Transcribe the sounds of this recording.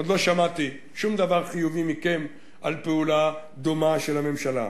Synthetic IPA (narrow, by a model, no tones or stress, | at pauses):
od̪lo̞ʃamat̪i | ʃumd̪avaʁχijuvimikem | ʔalpeula | d̪omaʃelhame̞mʃala̰